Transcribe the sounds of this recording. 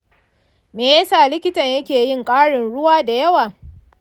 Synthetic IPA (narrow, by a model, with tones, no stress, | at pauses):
meː˨jɐ˦saː˦˨lɪ˦kʲɪ˦tɐ˨ɲjɐ˦kʲeː˨jɪ˦˨ŋkʼaː˦ɽɪ˨nɽʊ˦waː˦da˨jɐ˦waː˨